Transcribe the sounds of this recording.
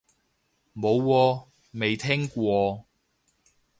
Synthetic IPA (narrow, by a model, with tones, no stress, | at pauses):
mo˨˧wkɔː˧ | me˨jt̪ʰɛː˥ŋkʷɔː˧